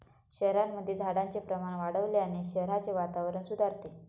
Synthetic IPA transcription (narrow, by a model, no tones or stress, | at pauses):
ɕəɦɾamːəd̪ʱːjed͡zʱaɽant͡sepɾəmaɽ̃ʋaɽəʋleaɽ̃iɕəɦɾat͡seʋat̪aʋɾəɳsud̪ʱaɾt̪e